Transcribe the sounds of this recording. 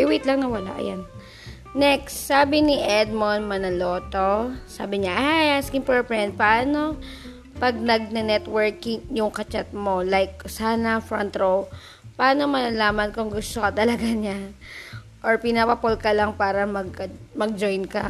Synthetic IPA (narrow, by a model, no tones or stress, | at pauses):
ɪwit̪lɐŋnɐwɐla̰ʔɐ̰janː | ɛkst̪ːaːbɪnɪʔɛd̪̚monmɐnɐloːt̪o̞sa̰ːbɪɲaʔajaskɪŋpɛɹpɹɛnd̪̚pɐʔaːno̞ | pɐɡ̚nɐɡ̚nɛnɛt̪wɛɹkɪŋjʊŋkɐt͡ʃat̪̚mo̞lajk̚saːnɐfɹɐnt̪ɾow | pɐʔaːno̞mɐnɐlaːmɐnkʊŋɡʊst̪okɐt̪ɐlɐɡaɲa | ʔoɹpɪnapɐpolkɐlaŋpaːɾɐmɐɡ̚kɐmɐɡ̚d͡ʒojnkɐ